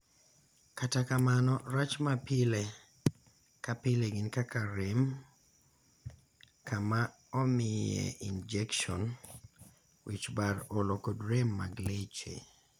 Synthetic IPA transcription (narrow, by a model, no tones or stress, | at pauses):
katakamanɔɾat͡ʃmapile | kapɪleɡinkakaɾem | kama | ɔmɪjḛʔind͡ʒɛkʃɔ̰n | wit͡ʃbaɾɔlokodɾemːa̰ɡlet͡ʃḛ